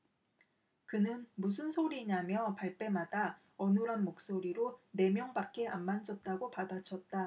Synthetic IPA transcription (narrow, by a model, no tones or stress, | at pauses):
kɯnɯnmus̬ʰɯnsʰoɾiɲamjʌpaɭp͈e̞mada | ʌnuɾanmok̚s͈oɾiɾone̞mjʌŋbak͈e̞amːand͡ʑʌt̚t͈aɡopadat͡ɕʰʌt̚t͈a